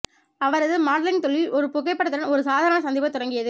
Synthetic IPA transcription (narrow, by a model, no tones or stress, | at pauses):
ɐʋɐɾɐðɯmaːɽlɪŋt̪ɔɭːilʔɔɾɯpʊɣɐɪpːɐɽɐt̪ːɯɾɐnɔɾɯsaːðaːɐnɐsɐnd̪ibɐt̪ʊɽɐŋɡɪjɐðɯ